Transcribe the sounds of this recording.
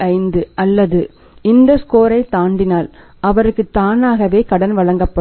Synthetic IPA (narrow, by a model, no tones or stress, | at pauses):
ɐɪnd̪ɯʔɐlːɐðɯ | ɪnd̪ɐskoːɾɐɪt̪ːaːɳɖɪnaːl | ʔɐʋɐɾɯkːɯt̪ːaːnaːɣɐʋeːkɐɽɐnʋɐɭɐŋɡɐpːɐ